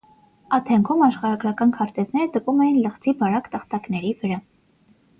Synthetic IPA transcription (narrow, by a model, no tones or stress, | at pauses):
ɑt̪ʰɛŋkʰumɑʃχɑɾɑɡɾɑkɑnkʰɑɾt̪ɛznɛɾət̪əpumɛjinləχt͡sibɑɾɑkt̪əχt̪ɑknɛɾivəɾɑ